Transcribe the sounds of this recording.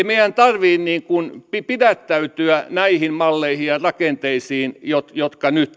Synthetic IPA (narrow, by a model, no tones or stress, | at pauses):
meiænt̪ɑrʋiːnniːŋkunpipidæt̪ːæyt̪yænæihimmɑlːeihijɑrɑkent̪eisiːnjot̪jot̪kɑnyt̪